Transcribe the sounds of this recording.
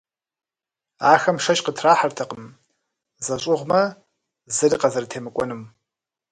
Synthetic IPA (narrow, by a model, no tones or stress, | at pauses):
aːxɐmʂɐʃʼqətʰraːħartʰɐqəm | zɐɕʼʊʁʷmɐ | zɨriqʼɐzɐrtʰeːmɨkʷʼɔnɨm